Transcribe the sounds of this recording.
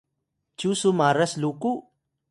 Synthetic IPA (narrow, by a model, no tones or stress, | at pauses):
t͡ʃusumaːɾɐsluku